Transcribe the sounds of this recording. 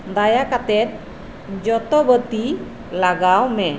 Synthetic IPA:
nd̪ajakat̪ɛt̪̚ | d͡ʒɔt̪ɔbət̪i | laɡawmɛ

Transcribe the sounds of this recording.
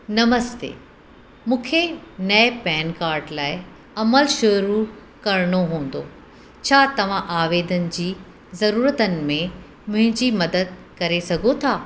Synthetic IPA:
nɐməst̪ḛː | mũːkʰenɐepɛːnkaːɾɖlaːɪ | ɐməlʃʊɾu | kɐɾɽ̃oɦũːn̆d̪o̰ː | t͡ɕʰaːt̪ɐʋ̤ãʔaːʋeːd̪ənɪ̆d͡ʑiː | zɐɾuːɾət̪ənɪ̆mẽ | mʊ̃ɦɪ̃ɲd͡ʑiːmɐd̪əd̪̚kɐɾesɐɡʱot̪ʰaː

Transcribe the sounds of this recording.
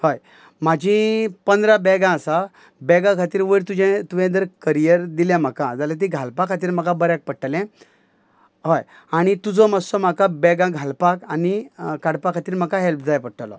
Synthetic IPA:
hoj | m̤ad͡ʑʱĩpənd̪ɾabɛɡãəsa | bɛɡãkʰat̪iːɾʋəɾt̪ud͡ʑɛ̃t̪uʋɛ̃d̪əɾkəɾijəɾd̪iljãm̤əkad͡zalat̪̬ĩɡʱalpakʰat̪̬iːɾm̤akãbəɾjak̚pəʈəlɛ̃ | ɦoj | aɽ̃it̪ud͡zɔməsɔm̤akabɛɡãɡʱalpakanikaɽpakʰːat̪iːɾm̤akaɦelp̚d͡zajpəɽʈalɔ̰

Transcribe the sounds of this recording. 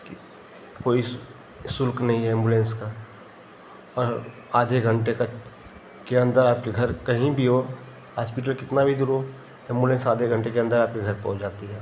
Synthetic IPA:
ki | koːi | sʊlknɐɦĩɦɛɪ̃ːmbulẽːnska | ɔːɾ | aːd̪ʱeɡʱə̃ɳʈeka | keɐ̃nd̪əɾaːp̚keɡʱɐɾkɐɦĩbʱioː | ɦaːspɪʈ̬əlkɪt̪nabʱid̪uːɾɦo | ẽːmbulẽnsaːd̪ʱeɡʱə̃ɳʈekeɐ̃nd̪əɾaːp̚kiɡʱɐɾpɐ̰ɦʊ̃t͡ʃd͡ʒaːt̪iɦɛː

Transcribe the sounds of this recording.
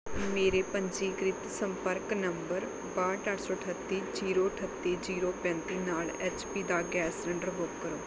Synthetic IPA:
meːɾeːpəɲd͡ʒiːɡɾɪt̪səmpəɾknəmbəɾ | baːʈaʈsoːəʈʰət̪ːiːd͡ʒiːɾoːʈʰət̪ːiːd͡ʒiːɾoːpɛ̃ːnt̪iːnaːlɛːt͡ʃpiːd̪aːɡɛːsɾə̃ɳɖəɾɦoːkəɾoː

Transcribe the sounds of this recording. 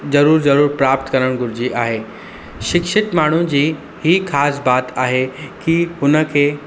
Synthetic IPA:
zɐɾuːɾzɐɾuːɾpɾaːp̚t̪kɐɾəɽ̃ɡʱʊɾɪd͡ʑiʔaːɦeː | ʃɪkʃɪt̪maːɳ̤ud͡ʑiː | hiːxaːsbaːt̪aːɦekiɦʊnə̆kʰeː

